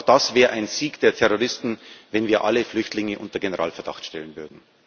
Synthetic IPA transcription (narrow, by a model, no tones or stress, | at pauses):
xd̥asv̥ɛːʁəʔaɪnziːɡd̥eːɐtʰɛʁoʁ̞ɪstn̩vɛnviːɐʔaləflʏçtlɪŋəʔʊ̰ntɐɡenəʁa̰ːlfɛɐd̥a̰χtʃtɛlənvʏɐdn̩